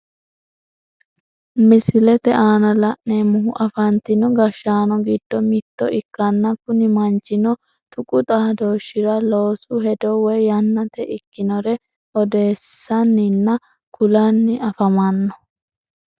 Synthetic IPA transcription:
mɪsɪlɛt̪ɛʔaːnɐlɐʔneːmʊɦʊʔɐfɐnt̪ɪnɔɡɐʃːaːnɔɡɪd̪̥ːɔmɪt̪ːɔʔɪkːɐnːɐkʊnɪmɐnt͡ʃːɪnɔ | t̪ʊkʼʊt̪ʼaːd̪o̞ːʃːɪɾɐlo̞ːsʊɦɛd̪ɔwɛjjɐnːɐt̪ɛʔɪkːɪnɔɾɛ | ɔd̪e̞ːsːɐnːɪnːɐ | kʰʊlɐnːɪɐfɐmɐnːɔ

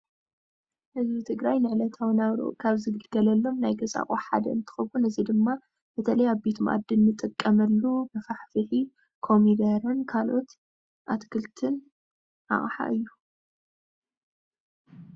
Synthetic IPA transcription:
hɨzbit̪ʰɨɡɾajnɨʕlɐt̪ʰawɨnaβɾo̰kʰaβzɨɡɨlɡ̥ɐlɐlːo̞mnajɡɐsʼa̰χʼoħa̰d̪ɐ̰ɨnt̪ʰɨ̥xɐβunɨzid̪ɨmːa | b̥ɨt̪ʰɐlɐjaβbet̪ʰmʔa̰d̪ːɨnːɨt̪ʼɨkʼːɐmɐlːubɨfaħfɨhi | kʰo̞mid̪ɐɾɨnkʰalʔo̞t̪ | ʔat̪kʰɨlt̪ʰɨn | ʔa̰χʼħa̰ʔɨjːu

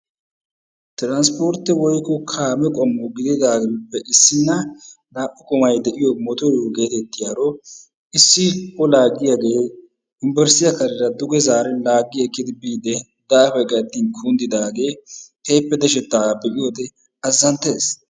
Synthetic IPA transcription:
t̪ɪɾanspoːɾt̪ːɪwɔjkːɔkʰaːmɛkʼɔmːɔɡɪd̪ɪd̪aːɡɛpːɛʔɪsːɪnːɐ | naːpʼːɪkʼɔmɐjd̪ɛʔɪjɔmɔt̪ɔɾoːɡe̞ːt̪ɛt̪ːɪjaɾɔ | ɪsːɪɔlaːɡːɪjaɡe̞ː | ɪmbɛɾsɪjɐkɐlɪɾɐd̪ʊɡɛzaːɾɛlaːɡːɪɛkːɪd̪ɪbiːd̪ɛ | d̪aːfɛɡʼɐd̪ːinkʰuːnd̪ɪd̪aːɡe̞ːhɛjpːɛd̪ɛʃ̬ɛt̪ːaːbɛʔɪjod̪ɛ | ɐzːɐnt̪eːs

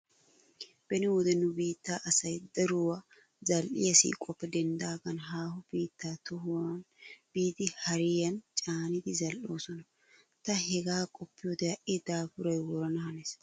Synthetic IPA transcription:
b̥ɛnɪwɔd̪ɛnːʊbiːt̪ːaːʔɐsɐjd̪ɐɾʊwɐ | zɐlʔɪ̰jɐsḭːkʼɔpːɛd̪ɛnd̪aːɡɐnɦaːhʊb̥iːt̪ːaːt̪ʊɦwɐn | b̥iːt̪ɪhɐɾɪjɐnt͡ʃʼaːnɪd̪ɪzɐlʔo̞ːsɔnɐ | t̪ɐhɛɡaːkʼɔpːɪjod̪ɛjɐʔɪd̪aːfʊɾɐjwɔɾɐnɐhɐnes

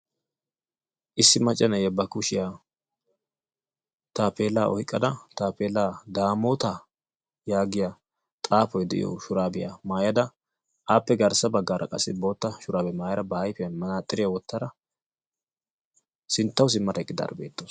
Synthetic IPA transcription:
ʔɪsːɪmɐt͡ʃʼːɐnɐjɛbɐkʊʃɪja | t̪aːpeːlːaːʔɔhɪkʼːɐd̪ɐt̪aːpeːlaːd̪aːmoːt̪a | jaːɡɪja | t̪ʼaːpɔjd̪ɛʔɪjɔ̰ʃʊɾaːbɪja̰maːjɐd̪ɐ | ʔaːpːɛɡɐɾsɐbɐɡːaːɾʔɐ̰kʼɐsːɪbo̞ːt̪ːɐʃʊɾaːbɛmaːjɐɾɐbɐhɐjfɪjɐnmɐnaːt̪ʼːɪɾɪjawɔt̪ːɐd̪ɐ | sɪnt̪ːɐws̬ɪmːɐt̪ɐkʼːɪd̪a̰ːɾbe̞ːt̪ːoːs

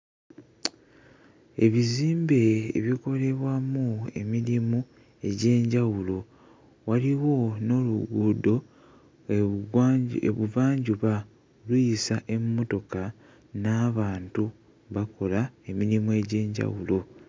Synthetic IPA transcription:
e̞βiziːmbe̞̰ːβiko̞le̞βwamue̞̰miɾimu | e̞ɟe̞ːɲɟawulo̞ | waliwo̞no̞luɡuːdo̞ | ḛβuvaːɲɟuβa | olujisaʔe̞mːo̞to̞ka | naːβaːntu | βako̞lae̞miɾimue̞ɟe̞ːɲɟa̰wulo̞

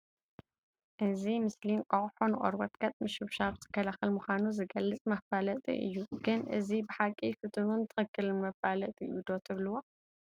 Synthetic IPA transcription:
ʔɨzimɨslinkʼɐχʼħonɨχʼɐ̰ɾbɐt̪ɡ̥ɐt̪ʼmɨʃɨβʃabt̪ʰɨ̥kʰːɐlaxɐlmuxʷanuzɨɡɐlːɨt͡sʼmɐfalɐt̪ʼḭʔɨ̰jːuɡ̥ɨnʔɨzibɨħakʼifɨt̪ʰʼɨnunt̪ʰɨxɨkːɨlmɐfalɐt̪ʼiɨjud̪ot̪ʰɨβlɨwo

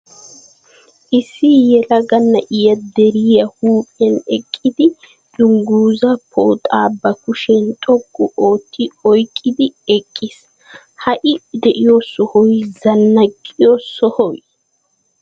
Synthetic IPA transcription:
ʔɪsːɪjɛlɐɡɐnːɐʔɪjɐd̪ɛɾɪjɐhuːpʼɛnɛkʼːɪd̪ɪ | d̪ʊŋɡuːzɐpʰo̰ːt̪ʼaːbːɐkʊʃɛnt̪ʼɔkʼːʊʔoːt̪ʰːɪɔjkʼːɪd̪ɪɛkʼːɪs | hɐʔɪd̪ɛʔɪjosɔhɔjzɐnːɐkʼːɪjosɔhɔwj

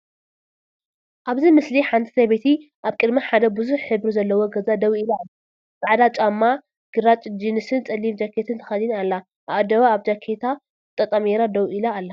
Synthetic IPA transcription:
ʔaβzimɨsliħant̪ʰi̥seβet̪ʰi | ʔaβkʼɨd̪maħad̪ɐbɨzuħħɨβɾizɐlːɐwoɡɐzad̪ɐwilaalːa | zaʕd̪at͡ʃʼamːa | ɡ̥ɨɾat͡ʃʼd͡ʒinɨsɨnt͡sʼɐlːimd͡ʒakʰet̪ʰɨnt̪ʰɐ̥xɐd̪inalːa | ʔaβad̪ɐβaːβd͡ʒakʰːet̪ʰa | t̪ʼɐt̪ʼɐmeɾad̪ɐwʔilaːlːa

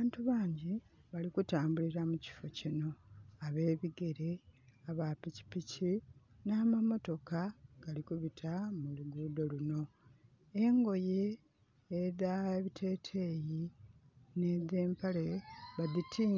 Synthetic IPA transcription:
aːntuβaːɲɟi | βalikutaːmbuliɾamuci̥fo̞cino̞aβe̞ːβiɡe̞ɾe̞aβapici̥pici | naːmamo̞to̞kaɡ̥alikuβitʰamuluɡuːdo̞lino̞ | e̞ŋɡo̞jeː | ðaeβitʰe̞ːtʰe̞ːji | ne̞ðe̞ːmpale̞βaðitʰiː

